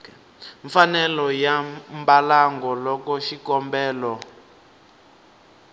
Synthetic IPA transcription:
ɱfanɛlɔjambalaŋɡɔlɔkɔʃikɔmbɛːlɔ

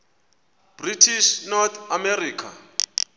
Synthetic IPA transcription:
b̥ritʰiʃnɔt̪amɛriːkʰa̰

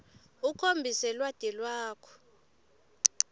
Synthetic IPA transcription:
ukʰombʱisɛlwad̥ʱɛlwaːkʰɔ̥

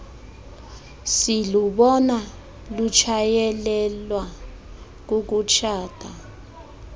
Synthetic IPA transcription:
siluɓɔna | lut͡ʃʰajɛlɛlwa | k̬uk̬ut͡ʃʰaːd̥ʱa

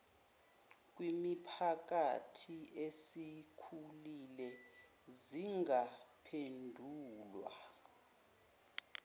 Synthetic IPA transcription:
k̬wimipʰak̬ʼa̰tʰiesikʰulilɛ | ziŋapʰendʱuːlwa̰

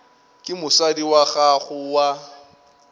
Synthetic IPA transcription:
kʼɪmʊsadiwaɣaɣʊwa

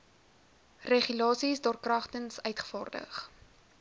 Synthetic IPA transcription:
reχylɑːsisdɑːrkrɐχtənsœɥtχə̥fɑːrdə̰χ

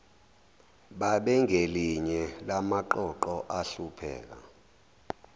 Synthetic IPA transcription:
ɓaɓɛŋʱeliɲɛlamaǃɔǃɔʔaɬupʰɛ̰ːk̬a̰

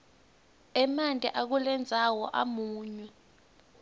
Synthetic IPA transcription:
ɛmantʼḭʔak̬ulɛnd͡zʱawɔʔa̰muːɲwɛ

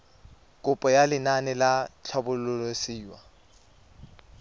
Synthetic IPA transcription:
kʼʊpʼɔjalɪnanɛlat͡ɬʰabʊlʊlosiːwa

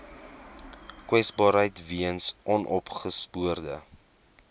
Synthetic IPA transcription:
kwɛsbɑːɾɦəjtviənsʔɔnʔɔpχəspuərdə

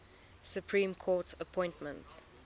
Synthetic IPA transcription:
sjupʰɹĩːmkʰɔtəpʰɔ̃ɪ̃ntmə̃nts

